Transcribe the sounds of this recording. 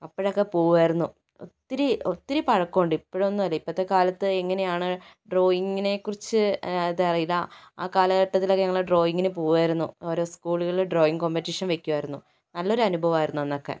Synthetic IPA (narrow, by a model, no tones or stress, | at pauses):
ɐpːoɽeokːe̞poːɣuʋaːjiɾunːu | o̰t̪ːiɾiot̪ːiɾipɐɻɐkːo̞ːɳɖipːoɽonːuɐlːɐipːɐt̪ːe̞kaːlɐt̪ːɨeŋːɐne̞jaːɳɨɖro̞ːjiŋːine̞kːurit͡ɕːɨt̪erɐjilːɐa̰ːkaːlɐɣɐʈːɐt̪ːilokːeɲɐŋːɐɭɖro̞ːjiŋːɡinepoːɣuʋaːjiɾunːuo̞ːɾo̞ːskuːɭuɣɐɭiɭɖro̞ːjiŋɡkompetːiʂɐnʋekʲːuʋaːjiɾunːu | nɐlːo̞ɾuɐnubʱɐʋɐmaːjiɾunːuenːokːe̞̰